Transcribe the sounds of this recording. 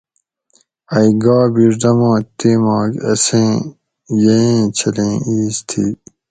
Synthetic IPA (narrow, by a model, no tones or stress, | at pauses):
ɐjɡaːbiɾd̪ɐmãːt̪iːmaːkɐ̰sẽː | jeẽːt͡ɕʰɐlẽːiːst̪ʰḭː